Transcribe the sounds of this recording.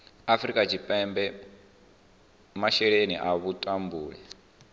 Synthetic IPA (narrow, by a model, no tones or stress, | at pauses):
afɾikʼat͡ʃʰipʼɛmbɛ | maʃɛɺenḭʔaβutʼambuːɺɛ